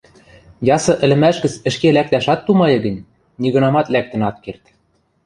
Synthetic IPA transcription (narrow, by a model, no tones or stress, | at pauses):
jɑsɤ̆ʔɘ̆lɘ̆mæʃɡɘ̆t͡sɘ̆ʃkelæk̚t̪æʃɑt̪ːumɑjɤ̆ɡɘ̆nʲ | niɣɤ̆nɑmɑt̪læk̚t̪ɘ̆nɑt̪̚kert̪